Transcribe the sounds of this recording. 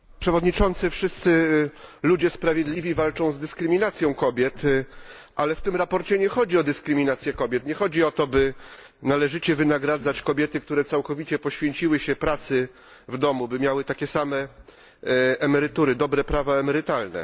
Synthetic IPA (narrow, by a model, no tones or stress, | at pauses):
pʂɛvɔd̪ɲit͡ʂɔnt̪sɘfʂɘst̪sɘlud͡ʑɛspɾavʲjɛd̪lʲivʲivalt͡ʂɔ̃w̃zd̪ɘskɾɘmʲinat̪sʲjɔ̃w̃kɔbʲjɛt̪ | ʔalɛft̪ɘmɾapɔɾt͡ɕɛɲɛxɔd͡ʑiɔd̪ɘskɾɘmʲinat̪sʲjɛkɔbʲjɛt̪ɲɛxɔd͡ʑiɔt̪ɔbɘ | nalɛʐɘt͡ɕɛvɘnaɡɾad̪zat͡ɕkɔbʲjɛt̪ɘk̚t̪uɾɛt̪sawkɔvʲit͡ɕɛpɔɕfʲjeɲt͡ɕiwɘɕɛpɾat̪sɘ | vd̪ɔmubɘmʲjawɘt̪akʲɛsamɛ | ɛmɛɾɘt̪uɾɘd̪ɔbɾɛpɾavaɛmɛɾɘt̪alnɛ̰